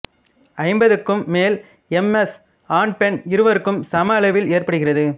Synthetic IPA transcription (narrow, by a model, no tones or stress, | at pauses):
ɐɪmbɐðɯkːɯmːeːl | ɛmɛs | aːɳ̚pɛnɪɾɯʋɐɾɯkːɯmsɐmɐɭɐʋɪleːrpɐɽɯɣɪrɐðɯ